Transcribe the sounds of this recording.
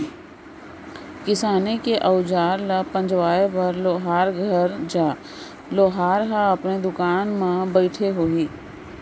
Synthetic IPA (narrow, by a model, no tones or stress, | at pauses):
kɪsaːnekeʔəːʊd͡ʒaːɾlapə̃ɲd͡ʒʋaːepɐɾloːɦaːɾɡʱəɾd͡ʒaː | loːɦaːɾɦaəpned̪ʊkaːnmãbəɪʈʰeɦoːiː